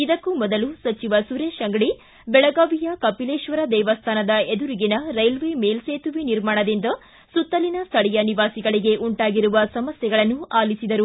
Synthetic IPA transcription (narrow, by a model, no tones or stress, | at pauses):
id̪ɐkːumɔd̪ɐlusɐt͡ʃiʋɐsuɾeːʃɐŋɡɐɽi | bɛɭɐɡaːʋijɐkɐpileːʃʋɐɾɐd̪ɛːʋɐst̪ʰaːnɐd̪ɐed̪uɾiɡinɐɾɐjlʋeːmeːlseːt̪uʋiniɾmaːɳɐd̪ind̪ɐ | sut̪ːɐlinɐst̪ʰɐɽɛjɐniʋaːsiɡɐɭiɡe̞ʔuɳʈaːɡiɾuʋɐsɐmɐsjɛɐɡɐɭɐnːuaːlisid̪ɐɾu